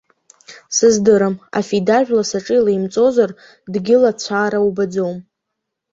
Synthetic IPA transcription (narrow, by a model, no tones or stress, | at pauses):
sɨzdɨɾama̰fidaʒᶣlasaʈ͡ʂʼɨilajmt͡sʼo̞zar | dɡʲɪlat͡ɕʷʰaːɾawbad͡zo̞wm